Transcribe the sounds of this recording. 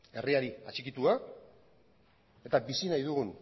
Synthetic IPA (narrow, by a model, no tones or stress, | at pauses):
e̞riaɾia̰t͡ʃikit̪ua | e̞t̪abisinajðuɣun